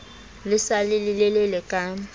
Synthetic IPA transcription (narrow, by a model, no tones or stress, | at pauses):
lɪsalɪlɪlɛlɛlɛkʼa